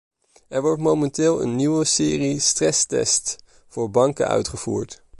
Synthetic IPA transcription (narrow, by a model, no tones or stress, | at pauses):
ɛɹʋɔɹtmowmɛntɪːlˠə̰nːiʋəsɪːristrɛstɛ̰st | fʊːɹbɑŋkə̰œ̰ɥtχəv̥ṵːɹt